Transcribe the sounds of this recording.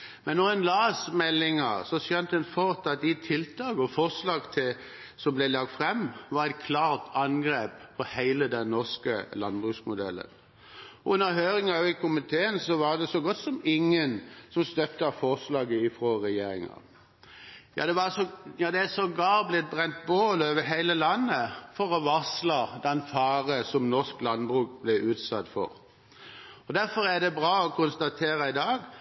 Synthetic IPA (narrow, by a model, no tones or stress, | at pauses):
mɛnːɔɛnlɑːsmɛlːɪŋɑsɔsjœnt̪ɛnfɔɾt̪ɑt̪̚d̪ɪt̪ʰɪlt̪ʰɑːɡəɔfɔʁslɑːɡt̪ʰɪl | sɔmblɛlɑk̚t̪fʁɛmʋɑɾɛkʰlɑːʁt̪ʰɑnɡɾeːppʰːɔhæɪləd̪ɛnːɔʁskəlɑnbʁʉsmʊd̪ɛ̰lːə̰n | ɔʉnːəɾɦøːɾɪŋɑʋɪkʰʊmɪt̪ʰeːənsɔʋɑʁd̪ɛsɔɡɔt̪ːsɔmɪŋːənsɔmst̪œp̚t̪əɑfɔʁslɑːɡəɪfʁoʁɛjeːɾɪŋɑ̰ | jɑ̰ːd̪ɛʋɑsɔjɑːd̪ɛæsɔɡɑːblɪt̪̚bʁɛnt̪̚boːløːʋəɦæɪləlɑnːəfɔɾɔʋɑslɑd̪ɛnfɑːʁəsɔmnɔsklɑnbʁʉːkb̥lɛʔʉːt̪sɑt̪ːfɔ̰ɾ | ɔd̪æɾfɔɾæd̪ɛbʁɑːɔkʰʊnst̪ɑt̪ʰeːɾəɪd̪ɑːɡ